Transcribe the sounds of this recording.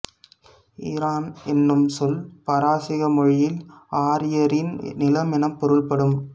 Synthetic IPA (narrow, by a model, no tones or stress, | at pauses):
ɪɾaːnɛnːɯmsɔlpɐɾaːsɪɣɐmɔɻɪjɪlaːɾɪjɐɾɪnnɪlɐmɪnɐmpɔɾɯɭpɐɽɯm